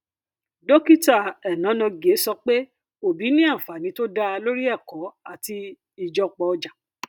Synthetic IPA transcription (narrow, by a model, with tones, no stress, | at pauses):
dɔ˦ki˦ta˦˨ɛ˨nã˨˦nɔ̃˧ɡe˨˦sɔ˧k͡pe˦ | o˦˨bi˨˦nĩ˦a˦˨fa˨nĩ˨˦to˦da˦˧lo˦ɾi˦ɛ˦˨kɔ˨˦a˦˨ti˧ | i˨˧d͡ʒɔ˦k͡pɔ˧ɔ˧d͡ʒa˨